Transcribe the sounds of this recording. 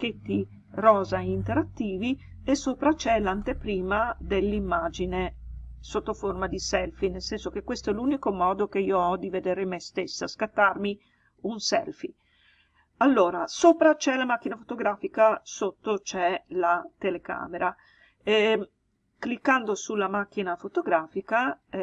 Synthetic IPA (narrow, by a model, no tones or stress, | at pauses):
k̟et̪ːi | rɔːzaint̪eɾat̪ːiːvi | esoːpɾat͡ʃɛlant̪epɾiːmad̪elːimːaːd͡ʒinesot̪ːoformad̪isɛlfinelsɛnsok̟ekːwest̪oɛluːnikomɔːd̪ok̟eiːoɔd̪ived̪eːɾemest̪esːaskat̪ːarmi | unsɛ̰lfi | alːoːɾasoːpɾat͡ʃɛlamak̟ːinafo̥t̪oɡɾaːfikasot̪ːot͡ʃɛlat̪eleka̰ːmeɾa | ɛ | klikːand̪osulamak̟ːinafot̪oɡɾaːfika